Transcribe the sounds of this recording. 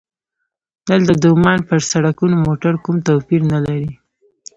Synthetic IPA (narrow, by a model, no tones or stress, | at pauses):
nəld̪əd̪omɑnpəɾsaɽakunomoʈaɾkumt̪opiɾnalaɾi